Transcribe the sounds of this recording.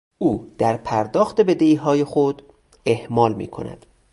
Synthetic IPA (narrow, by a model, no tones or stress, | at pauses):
ʔuːd̪̥æɾpʰæɾd̪ɒːxt̪e̞be̞d̪eiːɦɒːje̞xod̪̥ | e̞hmɒːlmḭːkʰo̰næ̰d̪̥